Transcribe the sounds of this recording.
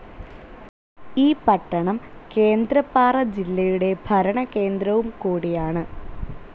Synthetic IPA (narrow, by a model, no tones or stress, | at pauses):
iːpɐʈːɐɳɐmke̞ːnd̪ɾɐpːaːrɐd͡ʑilːɐjuɽe̞bʱɐɾɐɳɐke̞ːnd̪ɾɐʋumkuːɽijaːɳɨ